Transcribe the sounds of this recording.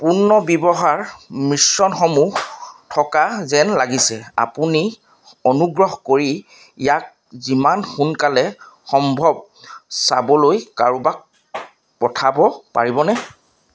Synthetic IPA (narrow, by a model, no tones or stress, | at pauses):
punːɔbɔbɔɦaɹmɹisːɔnxomuxtʰɔkazɛnlaɡisɛa̰puni | ɔnuɡɹɔɦɔkoɹi | jak̚ | zimanxunkalɛxɔmbʱɔb̚ | sa̰bɔlojkaɹubak̚ | pɔtʰabɔpa̰ɹibɔnɛ